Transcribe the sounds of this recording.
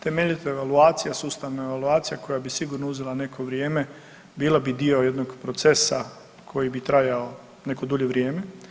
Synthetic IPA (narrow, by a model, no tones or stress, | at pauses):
t̪e̞meʎit̪oeʋaluaːt̪sijasuːst̪aʋnaeʋaluaːt̪sijako̞jabisiɡuɾnouzelˠane̞kʰo̞ʋɾjeːme̞ | biːlabid̪io̞je̞d̪noɡpɾot̪se̞sa | kʰo̞jibit̪ɾajao | ne̞kod̪uʎe̞ʋɾjeːme